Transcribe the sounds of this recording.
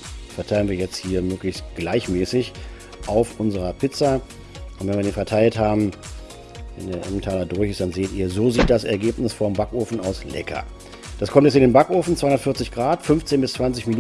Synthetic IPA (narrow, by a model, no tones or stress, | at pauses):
fɛɐtʰaɪlənviːɐjɛt͡sthiːɐmøːklɪçstɡ̥laɪçmɛːsɪç | ʔaʊfʔʊnzəʁɐpʰɪt͡sɐ | ʔʊntv̥ɛnviːɐdiːnfɛɐtʰaɪlthaːbm̩ | vɛ̰ndeːɐʔɛmtʰaːlɐdʊɐçɪsd̥anzeːtiːɐzoːziːçtd̥asɛɐɡeːpnɪsfɔɐmbakʔoːfn̩aʊslɛ̰kʰɐ̰ | d̥askʰɔmtjɛsɪndeːnbakʔoːfn̩t͡sv̥aɪʊnɐətfɪɐt͡sɪçɡ̥ʁaːtfʏnft͡seːnbɪst͡sv̥ant͡sɪçmin